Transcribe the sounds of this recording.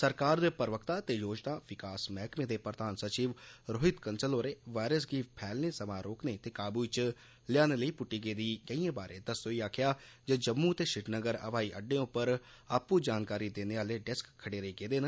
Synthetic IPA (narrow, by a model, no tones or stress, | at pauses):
səɾkaːɾd̪eːpəɾʋəkt̪aːt̪eːjoːd͡ʒnaːʋɪkaːsmɛːkmẽːd̪eːpɾəd̪aːnsət͡ʃiːʋɾoːɦɪt̪kənsəloːɾeːʋaːɾəs̬ɡiːpʰɛːlnẽːsəmaːɾoːkneːt̪eːkaːbuːt͡ʃ | lɪaːneːləiːpʊʈːiːɡeːd̪iːkəiãːbaːɾḛ̃ːd̪əsoːiːaːkʰjaːd͡ʒeːd͡ʒəmːuːt̪eːʃɪʈnəɡəɾə̰ʋaːiːʔəɖẽːʊpːəɾaːpːuːd͡ʒaːnkaːɾiːd̪eːneːaːleːɖɛskʰːəɽeːɾəiːkeːd̪eːn